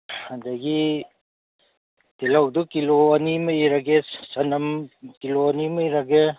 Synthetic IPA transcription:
hɐndɐɡi | tilawdukiloɐnimɐjɾɐɡesɐnɐmkiloɐnimɐjɾɐɡe

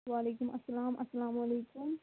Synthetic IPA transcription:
ʋaːleːkʊmʔɐsːɐlaːmʔɐsːɐlaːmwɐleːkʊm

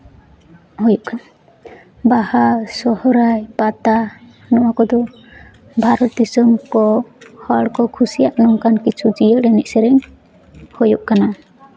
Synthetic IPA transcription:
hujuʔka | bahasɔhɔɾajpat̪a | nɔwakɔd̪ɔ | bʱaɾɔt̪̚disɔmkɔhaɽkɔkʰusijaʔnɔŋkankit͡ʃʰud͡ʒijəɽɛnɛʔsɛɾɛŋ | hojuʔkana

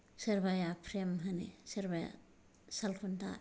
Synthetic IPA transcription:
seɾbajapʰɾemɦanḭseɾbaja̰ | salpʰuntʰa̰

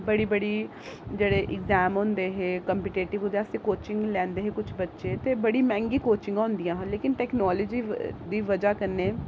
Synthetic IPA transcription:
bəɽiːbəɽiː | d͡ʒeːɽeːʔɪɡzɛːmɦõːnd̪eːɦeːkəmpiʈeːʈɪʋʊd̪easẽkoːt͡ʃɪŋɡlɛ̃ːnd̪eːɦeːkʊt͡ʃʰbətːʃeːt̪eːbəɽiːmɛ̃ːŋɡiːkoːt͡ʃɪ̃ŋɡãːʊnd̪ijãːɦə̃nleːkɪnʈɛːknɔːləːd͡ʒiːd̪iːʋəd͡ʒaːkəɾneː

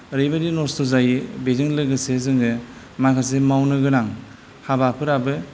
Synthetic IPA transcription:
ɾɯjbadinɔstɔzajbezɯŋlɯɡɯsezɯŋɡɯ | makʰas̬emawnɯɡɯnaŋ | habapʰɯɾabɯ

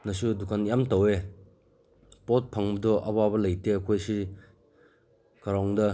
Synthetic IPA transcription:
nɐsudukanjamtɐwe | pot̚pʰɐŋbɐdɔʔɐ̰wabɐlɐjteɐkʰojsi | kɐɾaŋdɐ

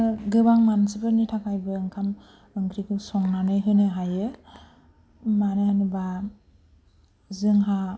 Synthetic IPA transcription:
ɡɯbaŋmansɯbɯnitʰakʰajbɯɯŋkʰam | ɯŋɡʰɾikʰɯsɔŋnanɯjɦɯnɯɦajɯ | manɯanɯba | zɯŋɦa

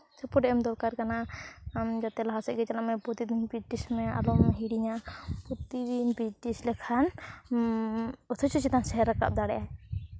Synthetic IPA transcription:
sapɔɖɛʔɛmd̪ɔɾkaɾkanamd͡ʒat̪ɛlaɦasɛʔ̚ɡɛt͡ʃalamɛbɔt̪id̪inbid͡ʒʈismɛa̰lɔʔmɦiɽiɲabɔt̪id̪inbid͡ʒʈislɛkʰan | ɔt̪ʰɔt͡ʃut͡ʃit̪ansɛɦɛɾaka̰p̚d̪aɽɛʔa

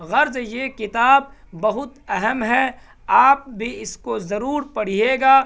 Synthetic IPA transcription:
ɣɐɾzjekɪt̪aːb̚ːɐɦʊt̪ɐɦəmɦɛ | aːp̚bʱiɪskozɐɾuːɾpɐɽ̤ieːɡaː

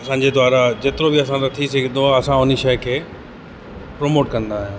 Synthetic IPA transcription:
ɐsãːɲ̆d͡ʑed̪waːɾad͡ʑeːt̪ɪɾobɪɐsãɾɐt̪ʰisɐɡʱə̃nd̪oaɐsãʊniʃɐjkʰeː | pɾoːmoːʈkɐ̃nd̪aːɦij̃ː

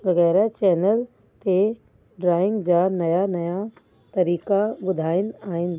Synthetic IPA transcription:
ʋɐɣɛːɾat͡ʃɛːnəl | t̪e | ɖɾaːɪ̃ŋɡd͡ʒaːnɐjanɐja | t̪ɐɾiːkabʊd̪ʱaːɪnaːɪn

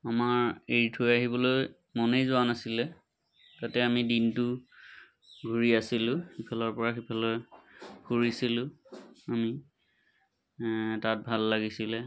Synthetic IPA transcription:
amaɹeɹtʰojaɦibɔloj | mɔnejzʊwanasilɛ | tatɛamidintʊ | ɡʱuɹiasilʊ̃xipʰalɔɹpɔɹaxipʰalɔjkuɹisilʊ̃ami | tat̚bʱalːaɡisilɛ

